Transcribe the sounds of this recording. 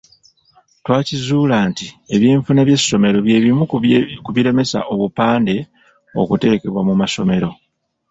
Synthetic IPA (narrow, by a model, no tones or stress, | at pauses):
twaːcizuːlaːntie̞βjeːɱfunaβje̞sːo̞me̞ɾo̞βje̞ːβimukuβiɾe̞me̞sa̰ʔo̞βupaːnde̞ | o̞̰kute̞ɾeke̞βwamumaso̞me̞ɾo̞